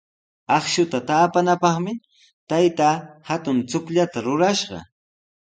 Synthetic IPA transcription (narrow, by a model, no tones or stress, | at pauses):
ɑχʃʊt̪at̪aːpanapɑχmɪ | t̪ajt̪aːhat̪ʊnt͡sʊkʎat̪aɾʊɾaʃɢɑ̰